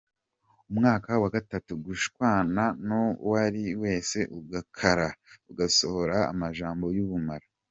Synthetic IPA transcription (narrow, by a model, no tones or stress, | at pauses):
umŋaːkawaɡatatuɡuʃkwaːnanowaɾiwe̞ːse̞ʔuɡakʰaɾauɡaso̞ho̞ɾa̰ːmaʒaːmbo̞juβumaɾa